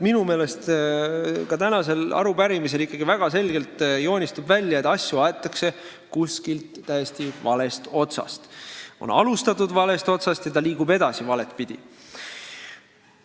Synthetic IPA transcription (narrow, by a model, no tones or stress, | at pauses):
minume̞ːle̞st̪ | kɑt̪ænɑse̞lɑ̰ɾupæɾimis̬e̞likːˑɑɡ̥ivæɡ̥ɑse̞lʲɡe̞lt̪jo̞ːnʲist̪ubvælʲjɑet̪ːˑɑsʲjuɑet̪ːˑɑkse̞ | kuskilt̪ːæjest̪ivɑle̞st̪o̞t̪sɑ̰st̪o̞̰nɑ̰lust̪ɑt̪ːˑud̪̥vɑle̞st̪o̞t̪sɑst̪jɑt̪ɑliːɡ̥ube̞d̪ɑsivɑle̞t̪pid̪̥ʲḭ